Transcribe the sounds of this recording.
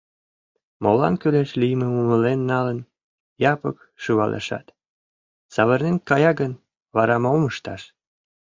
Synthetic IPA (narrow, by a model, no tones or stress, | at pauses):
molɑ̰nkyleʃlijmemuməlenːɑlən | jɑpək | ʃuβɑ̰lʔḛʃɑ̰t̪ | sɑβərnenkɑjɑɡən | βɑɾɑmɑməʃt̪ɑʃ